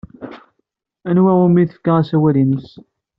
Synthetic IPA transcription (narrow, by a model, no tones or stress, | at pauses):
ænwæumiθə̥fkaæsæwælinəs